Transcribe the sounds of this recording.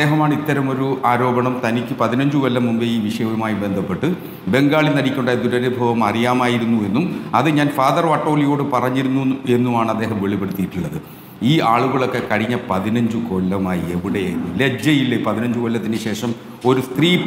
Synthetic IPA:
eːɦɐmaːɳit̪ːɐɾɐmo̞ɾuaːɾo̞ːbɐɳɐmt̪ɐnikʲːɨpɐðinɐɲd͡ʑuʋɐlːɐmːumbeiːʋiʂɐjɐʋɐmaːjibe̞nd̪ʱɐpːe̞ʈːɨ | be̞ŋɡaːɭinɐɽikʲːuɳɖajd̪uɾɐɾebʱɐʋɐmɐrijaːmaːjiɾunːue̞nːumɐðɨɲaːnfaːðɐrʋɐʈːo̞ːlijo̞ːɽɨpɐrɐɲːiɾunːue̞nːumaːɳɐd̪ːe̞ːɦɐmʋeɭipe̞ɽut̪ːijiʈːuɭːɐðɨ | iːaːɭuɣɐɭo̞kːe̞kɐɻiɲːɐpɐðinɐɲd͡ʑuko̞ːlːɐmaːjie̞ʋiɽeja̰ːjnːɨle̞d͡ʑɐjilːepɐðinɐɲd͡ʑuʋɐlːɐt̪ːinɨɕe̞ːʂɐm | o̞ɾust̪riː

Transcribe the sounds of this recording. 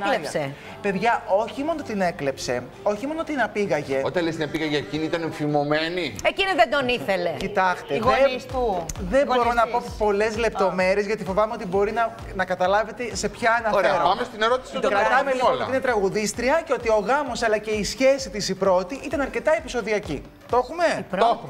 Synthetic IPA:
se | pe̞ðʝɐʔo̞çimo̞not̪ine̞kle̞pse̞̰ | o̞çimo̞not̪inɐpiɣɐʝe̞ot̪ɐnlest̪inɐpiɣɐʝeeciniit̪ɐnefimo̞me̞nieciniðed̪oniθelecit̪ɐst̪eɣesuðe̞mbo̞ɾonɐpo̞po̞le̞zle̞p̚t̪o̞me̞ɾie̞zʝɐt̪ifo̞vɐme̞o̞t̪ibo̞ɾinɐ | nɐkɐt̪ɐlɐve̞t̪ese̞pçɐɐnɐfɾeɐpɐmest̪ine̞ɾo̞t̪isiɐɐmelionloinet̪ɾɐɣuðist̪ɾiɐceo̞t̪io̞ɣɐmo̞sɐlɐce̞isçe̞sit̪isipɾo̞t̪iʔit̪ɐnɐɾce̞t̪ɐepiso̞ðiɐci | t̪o̞xume̞ɾo

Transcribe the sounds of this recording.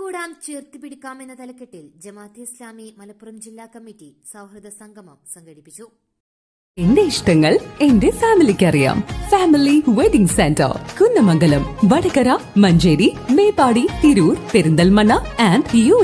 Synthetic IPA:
kuːɽaːmt͡ɕeːrt̪ipiɽikʲːaːme̞nːɐt̪ɐlɐkːeʈːild͡ʑɐmaːt̪iislaːmimɐlɐpːurɐmd͡ʑilːaːkɐmːitːi | sɐwhrɐd̪ɐsɐŋɡʱɐmɐmsɐŋɡɐɽipːit͡ɕːu | e̞ndeiʂʈɐŋːɐɭe̞nde̞faːmilikʲːɐrija̰ːmfaːmiliʋeɖiŋɡsentɐ̰rkunːɐmɐŋɡɐlɐmʋɐɽɐkɐɾamɐɲd͡ʑeːɾime̞ːbaːɽit̪iɾuːɾpeɾund̪ɐlmɐɳɐaːndjuː

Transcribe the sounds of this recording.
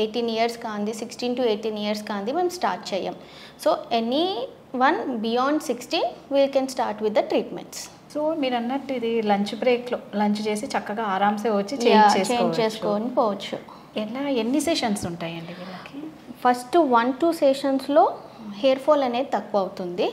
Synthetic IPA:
eːʈiːnijɐɾskaːnd̪isiksʈiːnʈueːʈiːniːjɐɾskaːnd̪imeːmsʈaːɾʈ̚t͡ʃɛːja̰ːm | soːeni | ʋɐnbijaːɳɖsiksʈiːnʋiːlkɛnsʈaːɾʈʋid̪ːɐʈɾiːʈmḛɳʈs | soːmiːɾɐnːɐʈːuid̪ilɐɲt͡ʃbɾeːkloːlɐɲt͡ʃut͡ʃe̞ːsit͡ʃɐkːɐɡaːaːɾaːmseːʋɐt͡ʃːit͡ʃeaːt͡ʃeːst͡ʃekːoɲd͡ʒːt͡ʃeːsut͡ʃkoːʋɐnipoːʋɐt͡ʃːu | ɛlaːenːiseːʃɐnsuɳʈaːjɐɳɖiilaːke | pʰɐsʈʋɐnʈuːseːʃɐnslo̞ː | ɦeːɾpʰoːlɐneːd̪it̪ɐkːʋuɐwut̪und̪i

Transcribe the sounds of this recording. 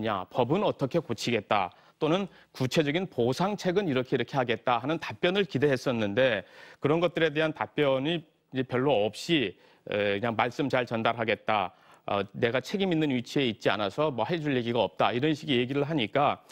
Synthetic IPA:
ɲa̰pʌbɯnʌt͈ʌkʰe̞kot͡ɕʰiɡe̞t̚t͈a̰ | t͈onɯn | kut͡ɕʰe̞d͡ʑʌɡinposʰaŋt͡ɕʰe̞ɡɯniɾʌkʰeiɾʌkʰe̞ɦaɡe̞t̚t͈aɦanɯntap͈jʌnɯɭkide̞ɦes͈ʌnːɯnde̞kɯɾʌnɡʌt͈̚ɯɾe̞de̞ɦantap͈jʌɲi | id͡ʑe̞pjʌɭːoʌp̚ɕ͈i | ḛkɯɲaŋmaɭs͈ɯmt͡ɕaɭt͡ɕʌndaɾɦaɡe̞t̚t͈a̰ | ʌ̰ne̞ɡat͡ɕʰe̞ɡiminːɯnɥit͡ɕʰie̞it̚t͡ɕ͈ia̰nasʰʌmwʌɦe̞d͡ʑuɭːeɡiɡaʌp̚t͈aiɾʌnɕʰiɡije̞ɡiɾɯɭɦaɲik͈a

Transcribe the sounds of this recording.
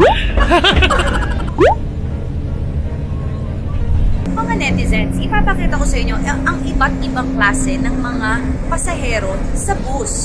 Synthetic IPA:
mɐŋanɛt̪ɪzɛnsʔɪpaːpɐkiːt̪ɐko̞sɐʔɪɲːo̞ʔʔɐŋʔɪbat̪̚ʔɪbɐŋklaːsɛnɐŋmɐŋapɐsɐɦɛːɾo̞ | sɐbus

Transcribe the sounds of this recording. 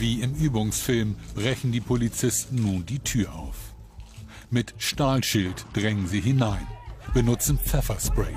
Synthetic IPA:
viːɪmʔyːbʊŋsfɪlmb̥ʁɛçn̩diːpʰolit͡sɪstn̩nuːndiːtʰyːɐʔa̰ʊf | mɪtʃtaːlʃɪltd̥ʁɛŋənziːɦɪnaɪnb̥ənʊt͡sn̩t͡sɛfɐspʁ̥ɛɪ

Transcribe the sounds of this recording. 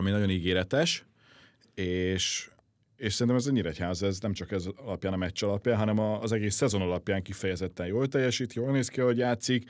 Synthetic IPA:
ɒminɒɟo̞niɡeːɾɛt̪ɛʃ | eːʃ | eːʃsɛɾint̪ɛmɛzɛːiɾɛchaːzɛznɛmt͡ʃɒkɛzɒlɒpjaːnɒmɛt͡ʃːɒlɒpjaːnɦɒnɛmɒːzɛɡeːsːɛzo̞nɒlɒpjaːŋkifɛjɛzɛt̪ːɛjjoːlt̪ɛjːɛʃiːt̪joːlneːskiɒɦo̞ɟjaːt̪sik

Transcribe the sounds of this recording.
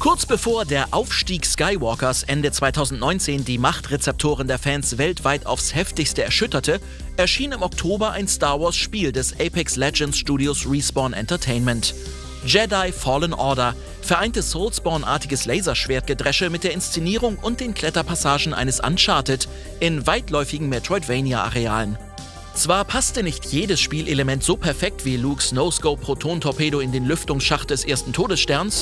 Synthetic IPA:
kʰʊɐt͡sb̥əfoːɐdeːɐʔaʊfʃtiːkskaɪwɔkɐɐsʔɛndət͡sv̥aɪtʰaʊzn̩tnɔ̃ʏnt͡seːndiːmaχtʁet͡sɛp̚tʰoːʁ̞əndeːɐfɛnsvɛltv̥aɪta̰ʊfshɛftɪçstəɛɐʃʏtɐtʰə | ʔɛɐʃiːnɪmɔktʰoːbɐʔaɪnstaːɐvɔɐsʃpiːldɛsʔɛpɛkslɛd͡ʒɛntsʃtuːdiosʁiːsb̥ɔɐnʔɛ̰ntɐtʰeɪnmɛnt | d͡ʒɛdaɪfɔːlənʔɔɐɾɐ | fɛɐʔaɪntəsoʊlsb̥ɔɐnʔa̰ːɐtɪɡəslɛɪzɐʃv̥eːɐt̚ɡ̥ədʁɛʃəmɪt̚d̥eːɐɪnst͡seniːʁ̞ʊŋʊnt̚d̥eːnkʰl̥ɛtɐpʰasaːʒn̩ʔa̰ɪnəsʔa̰nʃaɐtət | ʔɪnvaɪtlɔʏfɪɡŋ̩mɛtʁ̥ɔɪtv̥ɛɪnjaʔa̰ʁea̰ːlən | t͡sv̥aːɐpʰastənɪçtʰjeːdəsʃpiːlʔeləmɛntz̥oːpʰɛɐfɛk̚tv̥iːluːksnoʊskoʊpʁ̥otʰoːntʰɔpʰeːɾoɪndeːnlʏftʊŋsʃaχt̚d̥ɛsʔeːɐstn̩tʰoːdəsʃtɛɐns

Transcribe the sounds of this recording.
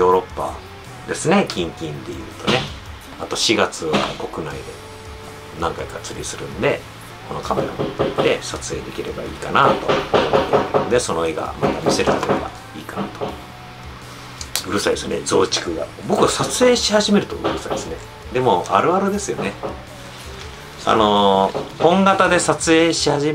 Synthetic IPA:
jo̞ːɾo̞pːa̰ | d̪e̞sɨne̞kʲĩŋkʲĩnd̪e̞jɯ̟ːt̪o̞ne̞ | at̪o̞ɕiɡat͡sɨβa̰ko̞kɯ̟naid̪e̞ | nãŋkaikat͡sɨɾʲisɨɾɯ̟̃nd̪e̞ | ko̞no̞kame̞ɾa̰ood̪e̞sat͡sɨe̞ːd̪e̞kʲiɾe̞baiːkanat̪o̞̰ | nd̪e̞so̞no̞e̞ɡa̰mat̪amʲise̞ɾɯt̪ːeoɡa̰ | iːkanat̪o̞̥ | ɯ̟ɾɯ̟said̪esɨned͡zo̞ːt͡ɕi̥kɯ̟ɡa̰bo̞kɯ̟βasat͡sɨe̞ːɕihaʑime̞ɾɯ̟t̪o̞̰ɯ̟̰ɾɯ̟said̪esɨne | d̪e̞mo̞aɾɯ̟aɾɯd̪e̞sɨjo̞ne̞ | a̰no̞hõ̞ŋɡat̪ad̪e̞sat͡sɨe̞ːɕihaʑi

